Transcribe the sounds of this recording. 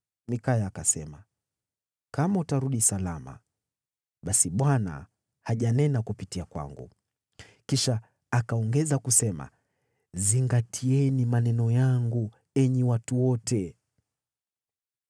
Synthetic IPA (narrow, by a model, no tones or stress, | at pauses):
nikajaːkasɛma | kamautaɾuɗisalama̰ | ɓasiɓwana̰ | haʄanɛnakupitiakwa̰ŋɡṵ | kiʃaː | kaɔŋɡɛzakusɛma̰ | ziŋɡatʰiɛnimanɛnɔjaŋɡu | ɛɲɛwatuwɔtʰɛ